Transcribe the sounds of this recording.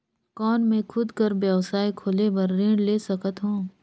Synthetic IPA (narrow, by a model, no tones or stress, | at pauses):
kɔːnmẽkʰʊd̪kəɾbjɛʋsaːikʰoːlebɐɾːẽːɽleːsɐkət̪ɦõː